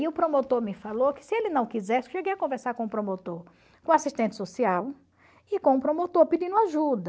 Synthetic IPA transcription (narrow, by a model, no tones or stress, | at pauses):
iʊpɾomot̪oɾmɪfalokɪ̥sɪelɪnɐ̃w̃kizɛɾsɪʃeɡejɐkõveɾsaɾkõʊpɾomot̪oɾ | kõasiʃt̪ẽnt͡ʃ̪ɪ̥sosiaw | ɪkõʊpɾomot̪oɾpid͡ʒĩnʊ̃aʒud̪ɐ